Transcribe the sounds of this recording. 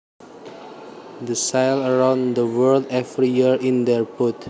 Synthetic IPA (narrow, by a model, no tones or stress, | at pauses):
d̪əsajləɹãw̃nd̪əwəɹldɛvɹijiɹĩnd̪ɛɹput